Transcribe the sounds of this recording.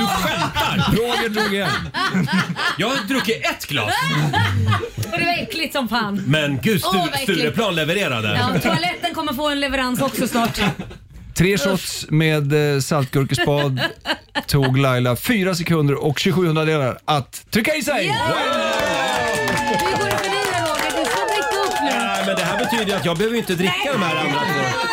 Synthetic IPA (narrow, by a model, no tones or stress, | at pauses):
ɧɛt̪aɾoːɡəɖɾuːɡɪjɛn | jɑːɡd̪ɾɵkːɪɛt̪ːɡ̥lɑ̰ː | ɔd̪ɛvaɛklɪt̪sɔmfaːnmɛnɡʉ̟ːst̪ʉ̟ːɾəpʰlɑːnlɛvəɾeːɾa̰d̪ə̰t̪ʰʊalɛt̪ːənkʰɔmːəɾfoːɛnlɛvəɾansɔksɔsnɑːʈ | t̪ʰːɾeːsɔt̪smeːd̪salt̪̚ɡɵɾkəspɑːd̪t̪ʰːuːɡlajlafyːɾasɛkʰɵnd̪əɾʔɔkɕʉɡɧʉ̟ːhɵnd̪ɾad̪eːlaɾʔat̪ʰːɾʏkːaɪsɛjja | ɪkɔməfəniːəoːɡəd̪ɛskʰɔmːɪt̪ːəɵp̪ːmɛnd̪ɛɦæːɾbɛt̪ʰyːd̪əjat̪jɑːɡ̚bɛhøːvəjɪnt̪əd̪ɾɪkːad̪ɔmhæːɾand̪ɾand̪a